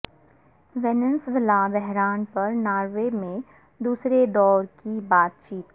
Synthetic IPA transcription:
ʋeːnənsʋɪlabɛɦɾaːnpɐɾnaːɾʋemẽ | d̪uːsɾed̪ɔːɾkibaːt̪̚t͡ʃiːt̪̚

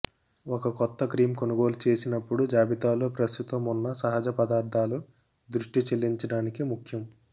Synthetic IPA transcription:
ɔkɐkɔt̪ːɐkɾiːmkonuɡo̞ːlut͡ʃe̞ːsinɐpːuɽud͡ʒaːbit̪aːloːpɾɐst̪ut̪ɐmunːɐsɐɦɐd͡ʒɐpɐd̪aːɾd̪ʱaːlu | d̪ɾuʂʈit͡ʃelːiɲt͡ʃɐɽaːnikimukʰjɐm

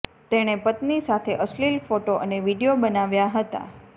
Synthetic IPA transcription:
t̪eɽ̃epət̪nisat̪ʰeʔəslilfoʈoʔəneʋiɖijobənaʋjaɦət̪a̰

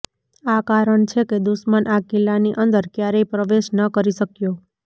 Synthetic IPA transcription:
akaɾəɳt͡ʃʰeked̪uʃmənʔakilːaniʔənd̪əɾkjaɾepɾəʋeʃnəkəɾiʃəkjo

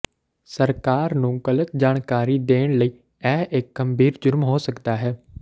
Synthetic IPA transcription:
səɾkaːɾnũːɡələt̪̚d͡ʒaːɽ̃kaːɾiːd̪eːɽ̃ləiː | ɛːɦʔɪkɡəmbʱiːɾd͡ʒʊɾmɦoːsəkd̪aːɦɛː

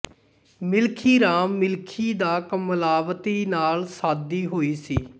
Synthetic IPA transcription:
mɪlkʰiːɾaːmːɪlkʰiːd̪aːkəmlaːʋt̪iːnaːlsaːd̪iːɦoːiːsiː

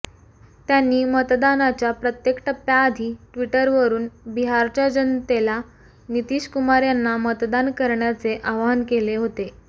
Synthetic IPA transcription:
t̪janːiːmət̪d̪anat͡ɕjapɾət̪jekʈəpːjaːd̪ʱiːʈʋiʈəɾʋəɾuːnbiɦaɾt͡ɕjad͡ʑənt̪ela | nit̪iːɕkumaɾjanːamət̪d̪ankəɾɳjat͡seʔaʋankeleɦot̪e

